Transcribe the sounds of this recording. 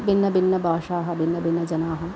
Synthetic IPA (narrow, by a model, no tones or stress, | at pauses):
binːɐbinːɐbʱaːʂaːɦɐbinːɐbinːɐd͡ʒɐnaːɦɐ